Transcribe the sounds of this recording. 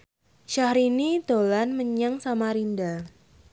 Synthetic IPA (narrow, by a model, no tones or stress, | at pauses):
ʃahɾinid̪olanməɲaŋsamaɾinda